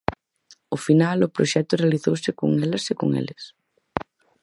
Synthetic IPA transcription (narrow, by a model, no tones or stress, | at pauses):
ʊfinalʊpɾoʃɛt̪ʊrealiθowsɪko̰ŋelɐsekʊ̰ŋḛlɪs